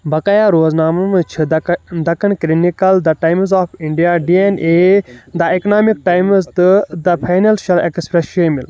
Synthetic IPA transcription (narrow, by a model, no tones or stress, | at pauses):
bɐkɐjaɾoːznaːmɐmt͡ʃʰid̪ɐkɐɳkɾinikɐld̪ɐʈɐjmzaːfiɳɖijaːɖiːeneːd̪ɐeknaːmik̚ʈajmzt̪ɨd̪ɐpʰɐjnɐlʃɐlḛkspɾesʃeːmil